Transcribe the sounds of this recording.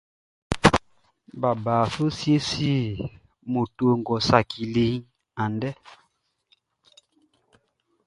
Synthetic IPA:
ba˨baː˨so˦sje˦si˦˨ | mo˨to˨ŋ˨ɡɔ˨sa˨kʰi˨li˨˦ŋ | a˨ndɛ˦

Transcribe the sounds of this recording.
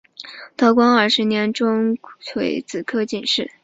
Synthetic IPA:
t̪ʰɤ˧˥kwɑ˥ŋə˞˥˩ʂɻ̩˧˥njɛ˧˥nʈ͡ʂʊ˥ŋʰwe˧˥ɪt͡sɹ̩˨˩kʰɤ˥˧t͡ɕi˥˩nʂɻ̩˥˩

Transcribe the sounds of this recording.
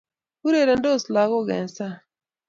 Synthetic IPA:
u˦ɾe˨ɾɛ˨n˦do˦˨sla˨˦ɣo˦˨ɡɛ̰˨n˨sa˦

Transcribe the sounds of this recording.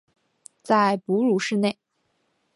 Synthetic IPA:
t͡sa˥˩ɪpu˧˥lu˧˥ʂɻ̩˥˧ne˥˩ɪ

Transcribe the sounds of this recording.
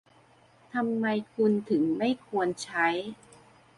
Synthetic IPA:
t̪ʰa˧mːa˧jkʰu˧nt̪ʰɯ˩˦ŋma˥˩jkʰu˧ənt͡ɕʰa˦˥j

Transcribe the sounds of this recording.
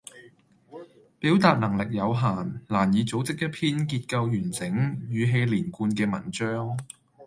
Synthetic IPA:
piː˨˥wt̪aː˧t̚nɐ˨˩ŋlɪ˨k̚jɐ˨˧wɦaː˨˩nlaː˨˩njiː˨˧t͡so˨˥wt͡sɪ˥k̚ːɐ˥pʰiː˥nkiː˧t̚kɐ˧wjyː˨˩nt͡sɪ˨˥ŋjyː˨ɦe˧jliː˨˩nkuː˧nkɛː˧mɐ̰˨˩nt͡ʃœː˥ŋ

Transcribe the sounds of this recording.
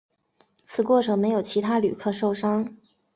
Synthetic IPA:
t͡sʰɹ̩˨˩kwɔ˥˩ʈ͡ʂʰɤ˧˥ŋme˧˥ɪjo˨˩ʊt͡ɕʰi˧˥t̪ʰa˥ly̰˨˩kʰɤ˥˧ʂo˥˩ʊʂɑ˥ŋ

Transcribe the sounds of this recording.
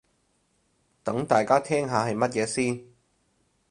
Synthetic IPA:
t̪ɐ˨˥ŋt̪aː˨jkaː˥t̪ʰɛː˥ŋɦaː˨˧hɐ˨jmɐ˥t̚jɛː˨˧˥siː˥n

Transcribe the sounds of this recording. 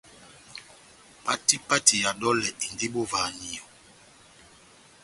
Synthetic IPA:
pa˦ti˦pa˦ti˨ja˨dɔ˦lɛ˨ʔi˨ndi˦bo˦va˨ni˨ɔ˨

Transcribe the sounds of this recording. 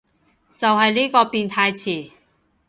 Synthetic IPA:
t͡sɐ˨wɦɐ˨jliː˥kɔː˧piː˨˧nt̪ʰaː˧jt͡sʰiː˨˩

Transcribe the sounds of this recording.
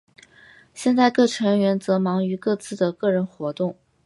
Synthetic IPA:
ɕjɛ˥˧nt͡sa˥˧ɪkɤ˥˩ʈ͡ʂʰɤ˧˥ŋɥɛ˧˥nt͡sɤ˧˥mɑ˧˥ŋy˧˥kɤ˥˧t͡sɹ̩˥˩d̪ə˩kɤ˥˩ɻə˧˥nxwɔ˧˥t̪ʊ˥˩ŋ

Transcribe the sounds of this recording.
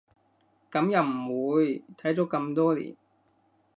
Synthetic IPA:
kɐ˨˧˥mjɐ˨˧wm̩˨˩wuː˨˧jt̪ʰɐ˨˥jt͡so˨˥kɐ˧mt̪ɔː˥lḭː˨˩n

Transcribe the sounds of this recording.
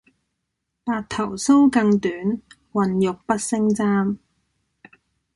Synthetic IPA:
paː˧t̚t̪ʰɐ˨˩wso˥wkɐ˧ŋt̪yː˨˥n | wɐ˨njʊ˨k̚pɐ˥t̚sɪ˥ŋt͡saː˥m

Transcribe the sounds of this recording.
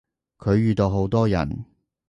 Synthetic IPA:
kʰɵ˨˧ɥɥyː˨˧t̪o˧wɦo˨˥wt̪ɔː˥jɐ̰˨˩n

